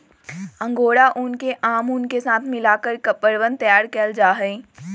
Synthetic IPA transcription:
ɐ̃ŋɡoːɽaʔʊnkeʔaːmʊnkesaːt̪ʰmɪlaːkəɾkəpəɾʋə̃nt̪jaːɾkəld͡ʒaːɦɛː

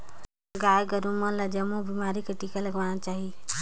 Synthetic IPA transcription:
ɡajɡəɾumələd͡ʒəmubimaɾikeʈikaləɡʋanat͡ʃaːɦi

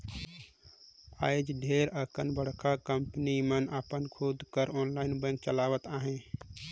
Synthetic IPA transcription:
aːjd͡ʒɖʱeːɾəkənbəɽ̤kʰakəmpənimənəpənkʰoːd̪kəɾoːnlaːɪnbə̃ŋk̚t͡ʃəlaːʋət̪aːɦẽ

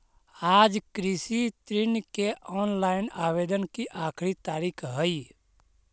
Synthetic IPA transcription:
aːd͡ʒkɾɪsit̪ɾɪnkeʔɔːnlaːɪnaːweːd̪ənkiʔaːkʰɾit̪aːɾiːkʰɦəi

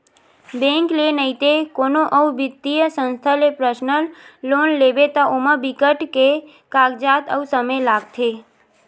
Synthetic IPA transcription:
bẽŋklenəit̪ekoːnoʔəubɪt̪ːijəsə̃nst̪ʰəlepɾəʃnəlloːnleːʋet̪aʔoməbɪkəʈke | kaːɡd͡ʒat̪ə̰usəməjlaːɡt̪ʰe

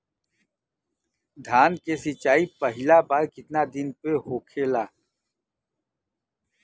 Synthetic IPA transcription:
d̪ʱaːnkesɪt͡ʃaːipəɦɪlabaɾkɪt̪nad̪ɪnpeɦoːkʰeːlaː

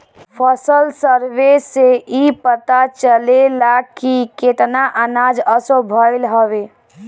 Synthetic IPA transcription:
pʰəsəlsəɾbeseʔipət̪at͡ʃəlelakiket̪naʔənad͡ʒəsobʱəlɦəbe

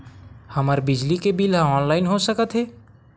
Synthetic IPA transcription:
həməɾbɪd͡ʒlikebilɦãɔːnlaːɪnɦosəkət̪ɦɛː

